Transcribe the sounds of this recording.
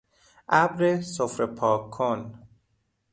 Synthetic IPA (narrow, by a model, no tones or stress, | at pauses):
ʔæbɾesofɾepʰɒːkʰon